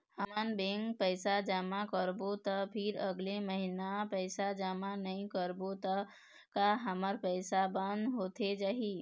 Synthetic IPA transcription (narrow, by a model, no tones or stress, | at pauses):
həmənbẽŋkpəɪsad͡ʒaːmakəɾbot̪əpʰɪɾəɡleməɦinapəɪsad͡ʒaːmanɐĩkəɾbot̪ə | kaɦəməɾpəɪsabə̃nd̪ɦoːt̪ed͡ʒaːɦi